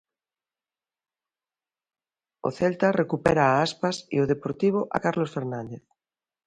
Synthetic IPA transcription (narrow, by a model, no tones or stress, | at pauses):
o̰θelt̪arekupeɾaːaspasḭoð̞epoɾt̪iβ̞oʔa̰kaɾlosfeɾnãnd̪eθ